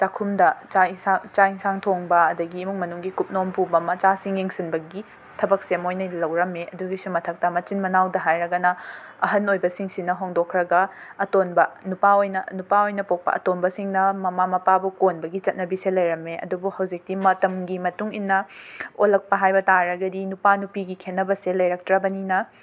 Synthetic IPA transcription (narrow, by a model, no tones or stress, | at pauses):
t͡ʃakʰumdɐt͡ʃasat͡ʃaiŋsaŋtʰoŋbɐɐdɐɡiːmuŋmɐnuŋɡikup̚nompubɐmɐt͡ʃasiŋjeŋsinbɐɡi | tʰɐbɐk̚semojnɐlɐwɾɐmeʔɐduɡisumɐtʰɐk̚tɐmɐt͡ʃinmɐnawdɐɦajɾɐɡɐnɐɐɦɐnojbɐsiŋsinɐɦoŋdokʰɾɐɡɐɐtonbɐnupaojnɐnupaojnɐpok̚pɐ̰ʔɐ̰tonbɐsiŋnɐmɐmamɐpabukonbɐɡit͡ʃɐt̚nɐbiselɐjɾɐmeʔɐ̰dubuhɐwzik̚timɐtɐmɡimɐtuŋinːɐolɐk̚pɐɦajbɐtaɾɐɡɐdinupanupiɡikʰenːɐbɐselɐjɾɐk̚tɾɐbɐninɐ